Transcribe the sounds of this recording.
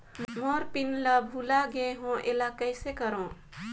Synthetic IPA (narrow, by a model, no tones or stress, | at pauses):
mmoɾpinləbʱulaɡeɦõʔelakəɪsekəɾõ